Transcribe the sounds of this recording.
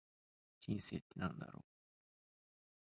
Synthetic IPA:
d͡ʑĩnseːt̪ːenãnd̪a̰ɾo̰ː

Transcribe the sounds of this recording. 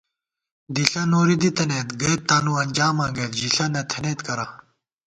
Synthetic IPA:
d̪iɬɐnoːɾid̪it̪ɐneːt̪ɡɐt̪̚t̪ːaːnuɐnʲd͡ʑaːmãːɡɐt̪d͡ʑiɬɐnɐt̪ʰɐneːt̪kɐɾa

